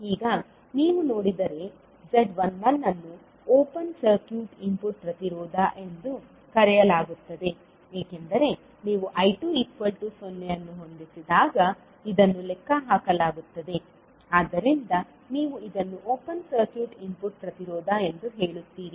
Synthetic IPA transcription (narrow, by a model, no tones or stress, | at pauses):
iːɡɐ | niːʋuno̞ːɽid̪ɐɾe̞ | d͡ʒeɖʋɐnʋɐnːɐnːu | oːpɐnsɐɾkjuːʈimpuʈ̚pɾɐt̪iɾɔːd̪aʔend̪u | kɐɾɛjɐlaːɡut̪ːɐd̪e̞ | eːkend̪ɐɾe̞ | niːʋuʔɐjʈuːikʋɐlʈusonːejɐnːuɦo̞nd̪isid̪aːɡɐ | id̪ɐnːulɛkːɐɦaːkɐlaːɡut̪ːɐd̪e̞ | aːd̪ɐɾind̪ɐ | niːʋuid̪ɐnːuʔoːpɐnsɐɾkjuːʈimpuʈ̚pɾɐt̪iɾoːd̪ae̞nd̪uɦeːɭut̪ːiːɾi